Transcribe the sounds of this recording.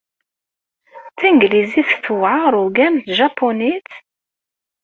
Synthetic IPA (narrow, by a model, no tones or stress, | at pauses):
θiŋɡliziθθvʕaɾˤʊɡæmt̪ʒɑpʰːonit̪